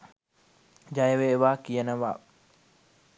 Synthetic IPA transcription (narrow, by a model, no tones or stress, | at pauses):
d͡ʒajəʋeʋakijənəʋa